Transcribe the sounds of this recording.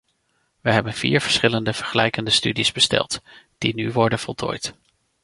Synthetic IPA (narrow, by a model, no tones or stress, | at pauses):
ʋəɦɛbənv̥ḭːɹv̥əɹsχɪləndəv̥əɹχəlɛjkəndəstydizbəstɛ̰lˠtd̥inyʋɔɹdənvɔlˠtʰo̰ːjt